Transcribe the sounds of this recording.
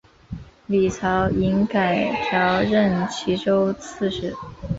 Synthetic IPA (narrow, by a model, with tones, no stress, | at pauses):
li˨˩t͡sʰɑ˧˥ʊi˧˥nka˨˩ɪt̪ʰjɑ˧˥ʊɻə˥˩nt͡ɕʰi˧˥ʈ͡ʂo˥ʊt͡sʰɹ̩˥˧ʂɻ̩˥˩